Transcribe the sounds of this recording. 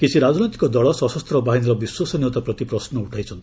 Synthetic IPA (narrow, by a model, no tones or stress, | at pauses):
kit͡ʃʰiɾad͡ʒnɔjt̪i̥kɔd̪ɔɭɔsɔsɔst̪ʰɾɔbaɦinɔɾɔbiswasɔniwt̪apɾɔt̪ipɾɔsnɔuʈʰajt͡ʃʰɔnt̪i̥